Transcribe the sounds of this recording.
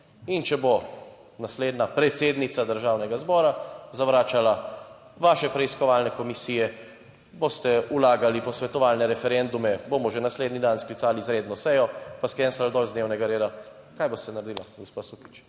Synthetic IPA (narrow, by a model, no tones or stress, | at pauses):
int͡ʃɛbo | nasleːd̪napɾɛt̪seːd̪nit̪sad̪əɾʒawnɛɡazbɔːɾazaʋɾaːt͡ʃala | ʋaːʃɛpɾɛiskɔʋalnɛkɔmisijɛ | bost̪ɛulaːɡalipɔsʋɛt̪ɔʋalnɛɾɛfɛɾɛnd̪umɛbomɔʒɛnasled̪nid̪ansklit̪saːlizɾeːd̪nɔsɛjɔpaskɾɛnsald̪ɔːlzd̪neːwnɛɡaɾeːd̪a | kajbost̪ɛnaɾd̪ilaɡɔspasuki̥t͡ʃ